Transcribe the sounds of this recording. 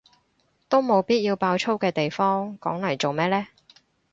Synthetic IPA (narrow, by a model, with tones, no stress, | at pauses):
t̪o˥wmo˨˧wpiː˥t̚jiː˧wpaː˧wt͡sʰo˥wkɛː˧t̪e˨jfɔː˥ŋkɔ̰ː˨˥ŋlɐ˨˩jt͡so˨wmɛː˥lɛː˥